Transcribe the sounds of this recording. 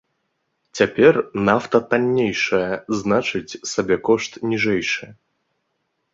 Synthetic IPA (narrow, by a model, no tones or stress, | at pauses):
t͡sʲapʲɛrnaft̪ɐt̪anʲːejʂɐjɐznat͡ʂɨt͡sʲsabʲɛkɔʂt̪nʲiʐɛjʂɨ